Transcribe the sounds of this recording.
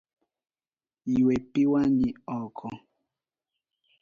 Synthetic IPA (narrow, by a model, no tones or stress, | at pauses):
jiwepiwaɲiɔkʰɔ